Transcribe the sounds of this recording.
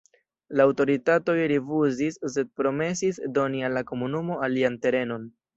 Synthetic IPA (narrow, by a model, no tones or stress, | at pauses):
laːwto̞ɾitato̞jɾifuzisse̞d̚pɾo̞me̞sisdo̞nialːako̞munumo̞aliante̞ɾe̞no̞n